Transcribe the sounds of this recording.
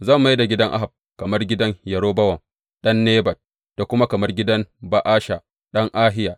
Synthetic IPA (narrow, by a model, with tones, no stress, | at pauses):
zaː˦˨mːu˨˦ji˦da˨ɡʲɪ˦dɐ˦ŋʔa̰˦ɦa˨b̚ | kɐ˨mɐ˦rɡʲɪ˦dɐ˦ŋjɐ˨ɽoː˦bɐ˦wɐ˨ŋ | ɗɐ˦nːeː˦bɐ˨t̚ | d̥a˨kʷʊ˦ma˦kɐ˨mɐ˦rɡʲɪ˦dɐ˦ŋba˨ʔaː˦ʃa˨ | ɗɐ˦ŋʔaː˦ɦɪ˦ja˨